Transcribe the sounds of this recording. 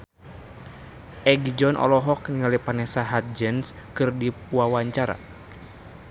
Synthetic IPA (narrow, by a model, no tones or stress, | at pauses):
ʔɛɡid͡ʒɔnʔɔ̰lɔɦɔk̚niŋalipanɛsaɦat̪̚d͡ʒɛns | kɨrdiwawaɲt͡ʃaɾa̰